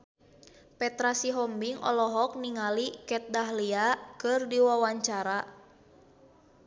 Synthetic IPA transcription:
pɛt̪ɾasiɦɔmbiŋʔɔ̰lɔɦɔk̚niŋalikɛt̪̚daɦliakɨrdiwawaɲt͡ʃaɾa

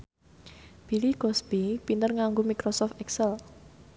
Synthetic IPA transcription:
b̥i̤liɡ̥ɔsb̥ipint̪ərŋaŋɡomikɾɔsɔft̪ɛksɛl

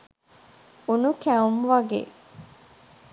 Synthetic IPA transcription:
unukæumʋɐɡḛ

